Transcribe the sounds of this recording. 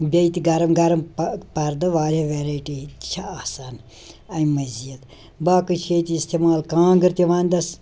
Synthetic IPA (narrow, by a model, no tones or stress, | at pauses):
bʲɐit̪iɡɐɾɐmɡɐɾɐmppɐɾd̪ɨʋaːɾeʋeːɾajʈit̪t͡ʃʰɐaːsaːn | ɐimɐzijɐt̪ | baːkɨʃʰejt̪iist̪emaːlkãːɡɨɾt̪iʋaːnʲd̪ɐs